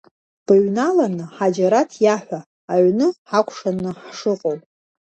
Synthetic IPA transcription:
b̥ɨɥnalanɨħad͡ʒaɾatʰjaħᶣʷaː | ʕnɨħakʷʰʂanɨħʂɨqʼowpʼ

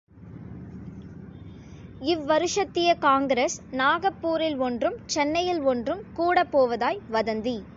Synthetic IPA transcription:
ɪʋːɐɾɯʂɐt̪ːɪjɐkaːŋɡɾesnaːɣɐpːuːɾɪlɔndrɯmt͡ʃɛnːɐjɪlɔndrɯmkuːɽɐpːoːʋɐðaːjʋɐðɐnd̪i

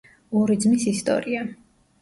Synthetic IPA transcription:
ɔɾid̪zmisist̪ʼɔ̰ɾia

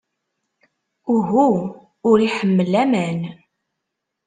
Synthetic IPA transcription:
uɦu | ʊɾiħəmːəlæmən

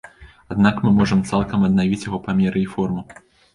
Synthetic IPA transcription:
ad̪nakmɨmɔʐɐmt̪salˠkɐmɐd̪̚navʲit͡sʲjaɣɔpamʲɛɾɨifɔrmu

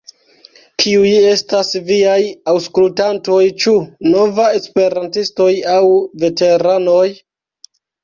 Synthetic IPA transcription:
kʰiuje̞stasviajawskultanto̞jt͡ʃuno̞vae̞spe̞ɾantisto̞jawve̞te̞ɾano̞j

